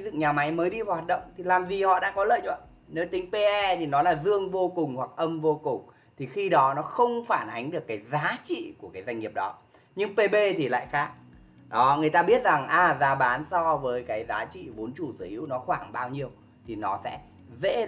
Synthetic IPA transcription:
zɨ̰˧˨ŋɲaː˨˩ma˨˦jməː˨˦jɗi˧vaː˨˩waː˨t̚ɗə̰˧˨wŋ͡mt̪ʰi˨˩laː˨˩mzi˨˩hɔ̰˧˨ɗa̰ː˧˥kɔ˨˦lə̰ː˧˨jɲə̰˧˨n | ne˨˦wt̪ï˨˦ŋ̟pe˧ʔɛ˧t̪ʰi˨˩nɔ˨˦laː˨˩zɨ˧əŋvo˧kʊ˨˩ŋ͡mhwa˨˩k̚ʔə˧mvo˧kʊ˨˩ŋ͡m | t̪ʰi˨˩xi˧ɗɔ˨˦nɔ˨˦xə˧wŋ͡mfaː˧˩nʔa˨˦jŋ̟ɗɨ˨˩əkːaː˨˦jzaː˨˦t͡ɕḭ˧˨ku˧˩əkaː˨˦za˧jŋ̟ŋi˨˩əp̚ɗɔ˨˦ | ɲɨ˧ŋpe˧ɓe˧t̪ʰi˨˩la̰ː˧˨jxaː˦˥k̚ | ɗɔ˨˦ŋɨ˨˩əjt̪aː˧ɓi˦˥ət̚za˨˩ŋʔaː˨˩zaː˨˦ɓaː˨˦nsɔ˧vəː˨˦jkaː˨˦jzaː˨˦t͡ɕḭ˧˨vo˨˦nt͡ɕu˧˩sɨ˧˩hḭ˨˦wnɔ˨˦xwaː˧˩ŋɓaː˧wɲi˧əw | t̪ʰi˨˩nɔ˨˦sɛ̰˧˥ | zḛ˧˥

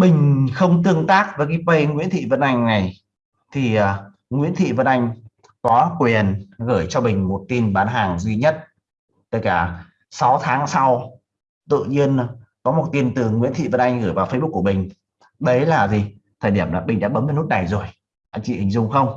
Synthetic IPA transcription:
ɓï˨˩ŋ̟xə˧wŋ͡mt̪ɨ˧əŋt̪aː˦˥k̚vəː˨˦jk̬aː˨˦pə˧jŋwḭ˧˥ənt̪ʰḭ˧˨və˧˥nʔa˧jŋ̟na˨˩j | t̪ʰi˨˩əː˨˩ | ŋwḭ˧˥ənt̪ʰḭ˧˨və˧˩nʔa˧jŋ̟ | kɔ˨˦kwi˨˩nɣəː˧˩jt͡ɕɔ˧mï˨˩ŋ̟mo˨˩t̚t̪i˧nɓaː˨˦nɦaː˨˩ŋzi˨˧˩ɲə˦˥t̚ | t̪əː˨˩jkaː˧˩ | sa˨˦wt̪ʰaː˨˦ŋsa˧w | t̪ɨ̰˧˨ɲi˧ənkɔ˨˦mo˨˩t̚t̪i˧nt̪ɨ˨˩ŋwḭ˧˥ənt̪ʰḭ˧˨və˧˩nʔa˧jŋɣɨː˧˩jvaː˨˩wfə˧˦jɓu˦˥k̚ːu˧˩ə˨mï˨˩ŋ̟ | ɗə˨˦jlaː˨˩zi˨˩ | t̪ʰəː˨˩jɗi˧˩əmlaː˨˩ɓï˨˩ŋ̟ɗa̰ː˧˥ɓə˨˦m˨˩nu˦˥t̚na˨˩jzo˨˩j | ɗa̰ː˧˥˩t͡ɕḭ˧˨ʔï˨˩ŋ̟zʊ˧ŋ͡mxə˧wŋ͡m

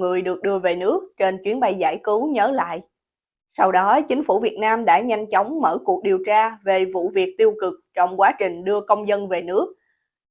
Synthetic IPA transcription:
ŋɨ˨˩əjɗɨ˨˩ək̚ɗɨ˧əve˨˩nɨ˦˥ək̚t͡ɕe˧nt͡ɕwi˨˦ənɓa˧jza̰ː˧˩jkɨ˨˦wɲəː˨˦la̰ː˧˨jʔ | sa˧wɗɔ˨˦t͡ɕï˨˦ŋ̟fu˧˩vi˨˩ət̚naː˧mɗa̰ː˧˥ɲa˧jŋ̟t͡ɕɔ˨˦wŋ͡mmə̰ː˧˩ku˨˩ək̚ɗi˨˩əwt͡ɕaː˧ve˨˩vṵ˧˨vi˨˩ək̚t̪i˧əwkɨ˨˩k̚t͡ɕɔ˧wŋ͡mkwaː˨˦t͡ɕï˨˩ŋ̟ɗɨ˧əkə˧wŋ͡mzə˧nve˨˩nɨ˦˥ək̚

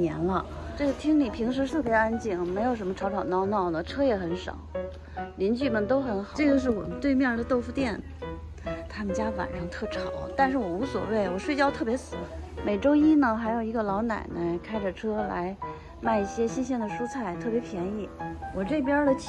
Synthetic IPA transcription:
ɛ̰˧˥nlə˧ | ʈ͡ʂɤ˥˩ɡə˩t̪ʰi˥ŋli˨˩pʰi˧˥ŋʂ̬ɻ̩˧˥t̪ʰɤ˥˩pjɛ˧˥a˥nt͡ɕi˥˩ŋme˧˥ɪjʊʂə˧˥mə˧ʈ͡ʂʰɑ˧˥ʊʈ͡ʂʰɑ˨˩ʊnɑ˥ʊnɑ˥˩ʊnə˩ʈ͡ʂʰɤ˥jɛ˧˥xə˧˥nʂɑ̰˨˩˦ʊ | li˧˥nt͡ɕy˥˩mə˨nt̪o˥ʊxə˧˥nxɑ˨˩ʈ͡ʂɤ˥˩ɡə˩ʂ̬ɻ̩˥˩wɔ̰˨˩mə˦nt̪we˥˧ɪmjɛ˥˩d̪ə˨˩t̪o˥˧ʊfu˥˧t̪jɛ˥˩n | t̪ʰa˥mə˨nt͡ɕja˥fa̰˨˩nʂɤ˥ŋt̪ʰɤ˥˩ʈ͡ʂʰɑ˨˩˦ʊt̪a˥˧nʂ̬ɻ̩˥˩wɔ˨˩u˧˥swɔ̰˨˩we˥˩ɪwɔ˨˩ʂwe˥˧ɪt͡ɕjɑ˥ʊt̪ʰɤ˥˩pjɛ˧˥sɹ̩˨˩˦me˨˩ɪʈ͡ʂo˥ʊi˥nə˨xa˧˥ɪjo˨˩ʊi˧˥ɡə˧lɑ˧˥ʊna̰˨˩ɪnə˧˥kʰa˥ɪʈ͡ʂə˨ʈ͡ʂʰɤ˥la̰˧˥ɪ | ma˥˧ɪi˥˩ɕjɛ˥ɕi˥nɕ̬jɛ˥˩nd̪ə˨˩ʂu˥t͡sʰa˥˩ɪt̪ʰɤ˥˩pjɛ˧˥pʰjɛ˧˥ni˥˩wɔ˨˩ʈ͡ʂe˥˩ɪpjɑ˥lə˨

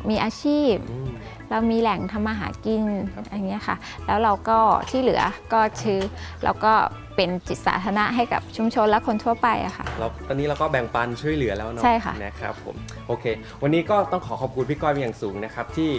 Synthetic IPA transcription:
miː˧ʔaː˧t͡ɕʰiː˥˩p̚ː | ɾa˧wmiː˧lɛ˨˩˦ŋt̪ʰa˧mːaː˧ɦa̰ː˩˦ki˧nʔa˧ŋi˦˥ɐxʰa̰˥˩ʔ | lɛː˦˥wɾa˧wkɔː˥˩t̪ʰiː˥˩lɯ˨˩˦ɐkɔː˥˩t͡ɕʰɯː˦˥lɛ̰˧˥wkɔː˥˩ | pe˧nt͡ɕi˨˩t̪̚sa̰ː˩˦t̪ʰaː˧na˦˥ʔɦa˥˩jka̰˨˩p̚t͡ɕʰu˧˦mt͡ɕʰo˧nlɛ˦˥kʰo˧nt̪ʰu˥˩ɐpa˧jʔa̰˨˩xʰa̰˥˩la˧wt̪ɔː˧nːiː˦˥ɾa˧wkɔː˥˩bɛ˨˩ŋpa˧nt͡ɕʰu˥˩əjlɯ˩˦ɐlɛː˦˥wn˦t͡ɕʰa˥˩jxʰa̰˥˩na˦˥kʰɾa̰˦˥pʰːo̰˨˩˦m | ʔoː˧kʰeː˧ | wa˧nːiː˦˥kɔː˥˩t̪ɔ˥˩ŋkʰɔː˩˦kʰɔː˨˩p̚kʰu˧npʰi˦˥˩kɔː˧jma˧jaː˨˩suː˩˦ŋna˦˥kʰɾa˦˥p̚t̪ʰiː˥˩

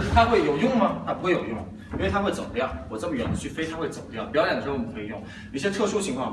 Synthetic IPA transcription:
t̪ʰa˥xwe˥˩ɪjo˨˩ʊjʊ˥˩ŋmɐ˨t̪ʰa˥pu˧˥xwe˥˩ɪjo˨˩jʊ˥˩ŋ | i˥nwɪt̪ʰa˥xwe˥˩ɪt͡so̰˨˩ʊpjɑ˥˩ʊwɔ˨˩ʈ͡ʂɤ˥˩mə˩ɥɛ˨˩d̪ə˦t͡ɕʰy˥˩fe˥ɪt̪ʰa˥xwe˥˩ɪt͡so˨˩ʊpə˧ljɑ˥˩pjɑ˥jɛ˨˩ndə˩ʂ̩˧˥o˥˧˩kʰɤ˧˥i˨˩jʊ˥˩ŋ˥˩ | ɕjɛ˥t̪ʰɤ˥˩ʂu˥t͡ɕʰi˧˥ŋkʰwɑ˥˩ŋ

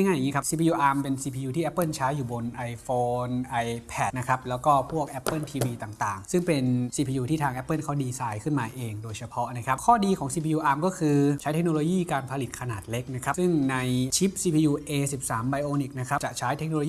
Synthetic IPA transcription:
jŋaː˥˩ja˨˩ŋiː˦˥kʰa˦˥si˧pʰiː˧juː˧ʔaː˧mpe˧nsiː˧pʰiː˧juː˧t̪ʰiː˥˩ʔpːɤ˥˩nt͡ɕʰaː˦˥jːuː˨˩bo˧nʔa˧jfoː˧nʔa˧jpʰɛ˨˩t̪̚na˦˥kʰa˦˥p̚lɛː˦˥wkɔː˥˩pʰu˥˩ək̚ʔɛ˦˥pːɤ˥˩nt̪ʰiː˧wiː˧t̪aː˨˩ŋt̪aː˨˩ŋsɯ˥˩ŋpe˧nsiː˧pʰiː˧juː˧t̪ʰiː˥˩t̪ʰaː˧ŋʔɛ˦˥pːɤː˥˩nkʰaː˦˩diː˧saː˧jkʰɯ˥˩nmaː˧ʔeː˧ŋdoː˧jt͡ɕʰa˧pʰɔ˦˥na˦˥kʰa˦˥kʰɔː˥˩diː˧kʰɔː˩˦ŋsiː˧pʰiː˧uː˧ʔaː˧mkɔː˥˩kʰɯː˧t͡ɕʰa˦˥t̪ʰe˦˥k̚noː˧loː˧jiː˥˩kaː˧npʰa˧li˨˩kʰa˧naː˨˩t̪̚le˦˥k̚na˦˥kʰa˦˥sɯ˥˩ŋna˧jt͡ɕʰi˦˥p̚siː˧pʰiː˧juː˧ʔeː˧si˨˩p̚saː˩˦mba˧jʔoː˧nʔiː˨˩k̚na˦˥kʰa˦˥t͡ɕa˨˩t͡ɕʰaː˦˥jt̪ʰe˦˥k̚no˧oː˧jiː˥˨

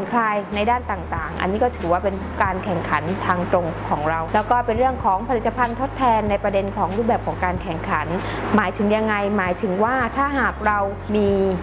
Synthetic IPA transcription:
nkʰlaː˧jna˧jdaː˥˩nt̪aː˨˩ŋt̪aː˨˩ŋʔa̰˧nːiː˦˥kɔː˥˩t̪ʰɯː˩˦waː˥˩pe˧n | kaː˧nkʰɛ˨˩ŋkʰa˩˦nt̪ʰaː˧ŋt̪ɾo˧ŋkʰɔː˩˦ŋɾa˧wlɛ˦˥wkɔː˥˩pe˧nɾɯ˥˩əŋkʰɔː˩˦ŋpʰa˧ɾiː˨˩a˧pʰa˧nt̪ʰo˦˥t̪ʰːɛː˧nːa˧jpɾa˧de˧nkʰɔː˩˦ŋɾu˥˩p̚bɛː˨˩p̚kʰɔː˩˦ŋkaː˧nkʰɛ˨˩ŋkʰa˩˦nmaː˩˦jt̪ʰɯ˨˩˦ŋja˧ŋːa˧jmaː˩˦jt̪ʰɯ˩˦ŋwaː˥˩t̪ʰaː˥˩ɦaː˨˩k̚ɾa˧w | miː˧

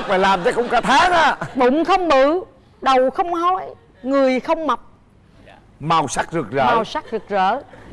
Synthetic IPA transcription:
k̚faː˨˩jlaː˨˩mt͡ɕaː˨˧˦kʊ̰˧˥wŋ͡mkaː˧˩t̪ʰaː˨˦naː˨˦ɓʊ̰˧˨ŋ͡mxə˧wŋ͡mɓɨ˧˨ | ɗə˨˩wxə˧wŋ͡mhɔ˨˧˦j | ŋɨ˨˩əjxə˧wŋ͡mma˨˩wk͡p̚ | ma˨˩wsa˦˥k̚zɨ˨˩ək̚zə̰ː˧˨a˨˩wsa˦˥k̚zɨ˨˩ək̚zəː˧˦

